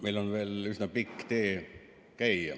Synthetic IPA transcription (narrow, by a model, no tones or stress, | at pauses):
mejlonve̞ːlysnɑpikːt̪eː | kæjɑ̰